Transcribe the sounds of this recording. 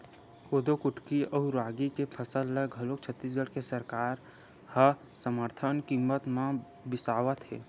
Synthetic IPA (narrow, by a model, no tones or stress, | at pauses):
koːd̪okʊʈkiɔːɾaːɡikepʰəsəlːəɡɦəloːkt͡ʃʰət̪ːiːs̬ɡəɽkesəɾkaːɾ | hə | səməɾt̪ʰənkimːət̪mã | bɪsaːʋət̪ɦɛ̰ː